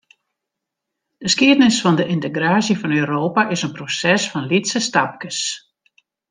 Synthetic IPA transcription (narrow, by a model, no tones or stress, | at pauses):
d̥əskiədnɪsfɔndəʔɪntəɡraːsjəfɔnøːɾoːpaʔɪsənprosɛsfɔnlitsəstap̚kəs